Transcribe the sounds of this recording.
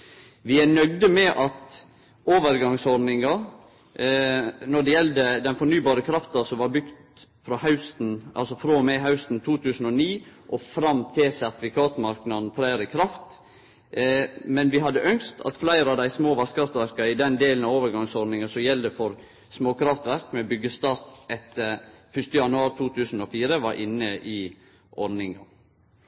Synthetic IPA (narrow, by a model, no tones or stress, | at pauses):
ʋɪænœɡd̪əmɛʔɑt̪ | oːʋəɾɡɑŋsɔɾnɪŋɑ | nɔɖɛjɛld̪əd̪ɛnfɔnyːbɑːɾəkʰɾɑft̪ɑsɔmʋɑɾbʏɡ̥t̪ | fɾɑːhɑʉst̪nʔɑ̰lsɔfɾomɛɪɦɑʉst̪n̩t̪ʰuːt̪ʰʉːsn̩ɔniːʔɔfɾɑmt̪ʰɪlsæɾt̪ɪfɪkʰɑːt̪mɑɾknɑd̪n̩fɾæɪɾəkʰɾɑft̪ | mɛnʋɪɦɑd̪ːəʔœŋst̪ʰɑ̰t̪flæɪɾɑd̪æɪsmoːʋɑɾskʰɾɑft̪ʋæɾkɑɪd̪ɛnd̪eːln̩ɑoːʋəɾɡɑŋsɔɾnɪŋɑsɔjɛld̪əfɔɾ | smoːkʰɾɑft̪ʋæɾkmɛbʏɡəst̪ɑɾt̪ɛt̪ːəɾfʏʂt̪əjɑnʉɑːɾt̪ʰuːt̪ʰʉːsn̩ɔfiːɾəʋɑɾʔɪnːəʔɪ | ʔɔɾnɪŋɑ̰